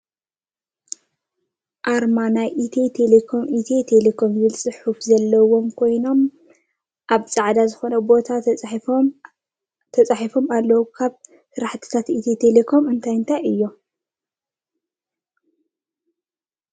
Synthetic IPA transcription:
ʔaɾmanajʔit̪ʰet̪ʰelekʰo̞mʔit̪ʰet̪ʰe̞lekʰo̞mzɨlt͡sʼɨħufzɐlːɐwo̞mkʰo̞jno̞m | ʔaβt͡sʼaʕd̪azɨxo̞nɐbo̞t̪ʰa | t̪ʰɐt͡sʼaħifo̞malːɐwukʰaβ | sɨɾaħt̪ʰɨ̥t̪ʰat̪ʔit̪ʰet̪ʰele̞kʰo̞mɨnt̪ʰajɨnt̪ʰajɨjːo

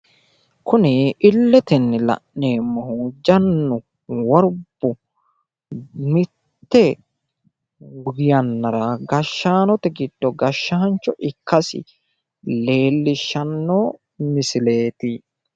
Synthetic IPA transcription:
kʊnɪʔɪlːɛt̪ɛnːɛlɐ̰ʔneːmːɐhud͡ʒɐnːʊ | wɔɾb̥ːʊ | mɪt̪ːɛ | ɡɪjɐnːɐɾɐɡɐʃːaːnɔt̪ɛɡɪd̪̥ːɔɡɐʃːɐɐnt͡ʃːɔʔɪkːɐsɪ̰ | le̞ːlːɪʃːɐnːoː | mɪsɪle̞ːt̪ɪ

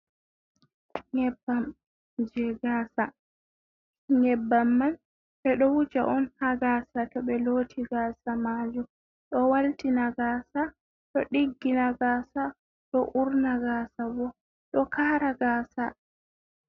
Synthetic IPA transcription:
ŋɛbːam | d͡ʒɛɡasa | ɲɛbːamːan | ʔɛɗɔwud͡ʒa̰ʔɔnhaɡaːsakɛɓɛloːtʰiɡaːsamaːd͡ʒu | ɗɔwaltinaɡaːsa | ɗɔɗiɡːinaɡaːsa | ɗɔʔuɾnaɡasabɔ | ɗɔkaːɾaɡaːsa

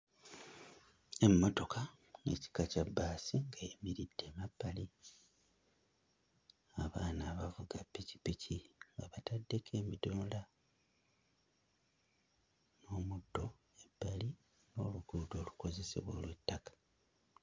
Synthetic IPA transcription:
e̞mːo̞to̞kʰa | ḛci̥kacabːaːsiŋɡajemiɾid̥ːe̞mapːali | aβaːnaːβavuɡapːici̥pːicʰiŋɡaβatadːe̞kʰe̞ːmidoːnda | no̞ːmudːo̞ | ebːali | no̞ːluɡuːdo̞ːluko̞ze̞se̞̰βwo̞ːlwetːakḁ

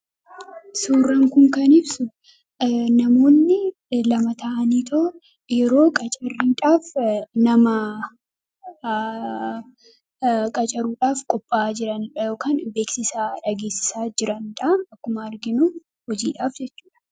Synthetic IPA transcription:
suːrːɐŋkʊŋkɐnɪbsʊ | nɐmo̞ːnːɪ | lɐmɐt̪ʰɐʔɐniːt̪ɔ | jɛɾo̞ːkʼɐt͡ʃʼɐrːiːᶑaːfnɐmɐ | kʼɐt͡ʃʼɐɾuːᶑaːfkʼɔpʼːaːd͡ʒɪɾɐnᶑɐjo̞ːkaːnbeːksɪsaːᶑɐɡe̞ːsɪ̥saːd͡ʒɪɾɐnᶑɐɐkːʊmɐɐɾɡɪnuː | hɔd͡ʒḭːᶑaːfd͡ʒɛt͡ʃːu̥ːᶑɐ̥

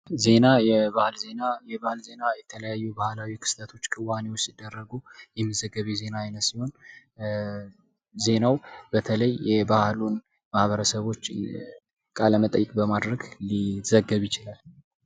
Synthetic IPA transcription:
ze̞najɛβahlzenajɛbahlze̞najɛt̪ʰələjajːubahlawikʰɨ̥st̪ʰət̪ʰo̞t͡ʃːkʼɨwanewo̞t͡ʃːsɪd̪ːərːəɡujɛmːəzəɡːəβeze̞naːjnəsiho̞n | ze̞nawb̥ət̪ʰələjːɛbahlun | mahβəɾəsəβo̞t͡ʃː | kʼaləmət̪ʼəjːɪkʼbəmad̪ɾəɡliz̥əɡːəβjɪt͡ʃɪlal

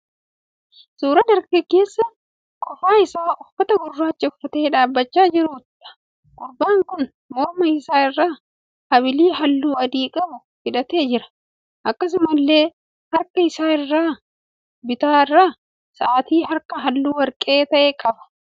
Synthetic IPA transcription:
suːɾɐd̪ɐɾkeke̞ːsːɐ | kʼɔfaːɪsaːʊfɐt̪ɐɡʊrːaːt͡ʃːɪʊfːɐt̪e̞ːᶑaːbːɐt͡ʃːaːd͡ʒɪɾuːt̪ᶑɐ̥ | kʼʊɾbaːŋkʊn | mɔɾmɐɪsaːɪrːaː | hɐbɪliːɦɐlːuːɐd̪iːkʼɐbʊ | fɪᶑɐt̪e̞ːd͡ʒɪɾɐ̥ | ʔɐkːɐs̬ɪmʊlːe̞ː | hɐɾkɐɪsaːɪrːaː | bɪt̪aːɪrːaː | sɐʔaːt̪iːɦɐɾkɐɦɐlːuːwɐɾkʼe̞ːt̪ɐʔeːkʼɐbɐ̥

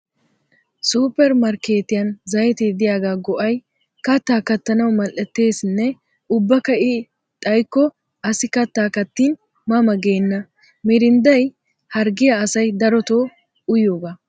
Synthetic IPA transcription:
suːpːɛɾmɐɾkeːt̪ɪjɐnzɐjɛt̪eːd̪ɪjaːɡaːɡɔʔɐj | kɐt̪ːaːkɐt̪ːɐnɐwmɐlɛt̪ːe̞ːsɪnːɛ | ʊbːɐkɐʔɪ | t̪ʼɐjkːɔ | ɐsɪkɐt̪ːaːkɐt̪ːiːn | mɐmɐɡeːnːɐ | mɛɾɪnd̪ɐj | hɐɾɡɪjɐːsɐjd̪ɐɾɔt̪oː | ʊjoːɡa

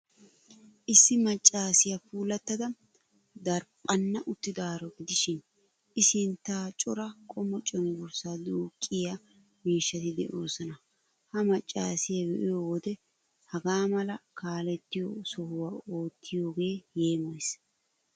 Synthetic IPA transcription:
ʔɪsːɪmɐt͡ʃʼːaːsɪjɐfuːlɐt̪ːɐd̪ɐ | d̪ɐɾpʼːɐnːɐʔʊt̪ːɪd̪aːɾɔɡɪd̪ɪʃɪn | ʔɪsɪnt̪ːaːt͡ʃʼɔɾɐkʼɔmːɔt͡ʃʼɔnɡʊɾsaːd̪uːkʼːɪja | miːʃːɐt̪ɪd̪ɛ̰ʔo̞ːsɔnɐ | hɐmɐt͡ʃʼːa̰ːsɪjɐwɛʔɪjoːwɔd̪ɛ | hɐɡaːmɐlɐkaːlɛt̪ːɪjosɔhʊwaːo̞ːt̪ʰːɪjo̞ːɡe̞ːje̞ːmɐjs

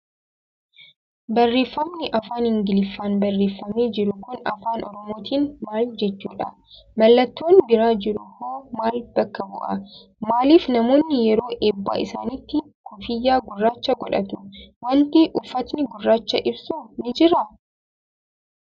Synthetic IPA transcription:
bɐrːeːfːɐmnɪʔɐfaːnhɪŋɡɪlɪfːaːnbɐrːeːfːɐmeːd͡ʒɪɾʊkʊnɐ̰faːnɔ̰ɾɔmo̞ːt̪iːnmaːld͡ʒɛt͡ʃːuːᶑɐ | mɐlːɐt̪ːo̞ːnbɪɾaːd͡ʒɪɾʊkoːmaːlb̥ɐkːɐbʊ̰ʔɐ̰ | maːliːfnɐmo̞ːnːɪjɛɾo̞ːʔeːbːa̰ːʔɪ̰sa̰ːnɪt̪ːɪ | kʊfɪjːaːɡʊrːaːt͡ʃːɐɡɔᶑɐ̰t̪ʊwɐnt̪iʔʊfːɐt̪nɪɡʊrːaːt͡ʃːɐʔɪbsuːnɪd͡ʒɪɾɐ

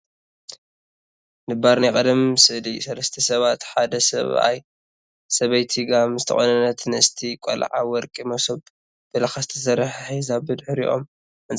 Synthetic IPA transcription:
nɨbaɾnakʼɐd̪ɐmsɨʔlisɐlɐst̪ʰɐsɐβat̪ħad̪ɐsɐ̰βa̰j | sɐβɐjt̪ʰiɡamzɨt̪ʰɐχʼonɐnːɐt̪nɨɨst̪ʰikʷʼɔ̰l̰ʕa̰wɔɾkʼimɐsob | b̥ɐlɐxazt̪ʰɐsɐɾħħizabɨd̪ħɨɾḭʔo̞̰m | ʔɨnt͡sʼ

